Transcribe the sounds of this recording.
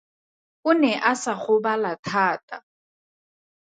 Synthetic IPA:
ʊnɛʔasaχʊbalatʰaːtʼa

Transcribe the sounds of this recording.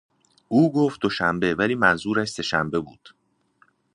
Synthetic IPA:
ʔuːɡoːft̪̚d̪o̞ʃæmbe̞væliːmænzuːɾæʃse̞ʃæmbe̞buːd̪̥

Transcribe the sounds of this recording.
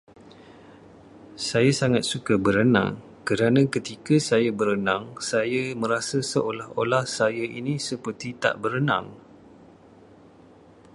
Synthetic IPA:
sajasaŋat̪̚sukəbəɾənã̰ŋ | kəɾanãkət̪ikəsajəbəɾənãŋsajəmə̃ɾasəsəʔolaholahsajəʔinĩsəpərt̪it̪a̰ʔbəɾənã̰ŋ

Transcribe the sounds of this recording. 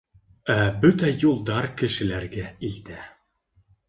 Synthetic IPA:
æbɵt̪æjulˠd̪ɑɾkɘ̆ʃɘ̆læɾɡæilt̪æ

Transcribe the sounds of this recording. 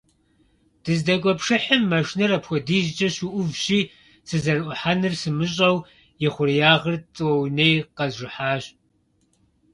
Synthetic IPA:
d̥ɨzdɐkʷʼɔpʂɨħɪmːɐʂnɨrɐpxʷɔdiːʑt͡ʃʼɐɕuʔʷʊvɕiː | sɨzɐrʔʷʊħanɨrsɨmɨɕʼɐw | jɪχʷʊrjaːʁərt͡sʼɨwɐwnejqɐzʒʷɪħaːɕ

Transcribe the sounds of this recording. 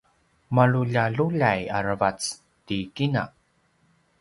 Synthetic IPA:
maɭuʎaɮuʎajaɾəvat͡s | tikina̰

